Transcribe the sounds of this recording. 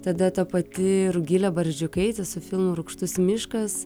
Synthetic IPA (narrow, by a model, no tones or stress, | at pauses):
t̪ɐd̪ɐt̪ɐpɐt̪ʲɪɾʊɡʲilʲɛbɐɾʲʒʲd͡ʒʲʊkɐɪt̪ʲɛsʊfʲɪlˠmʊɾʊkʃt̪ʊsmʲɪʃkɐs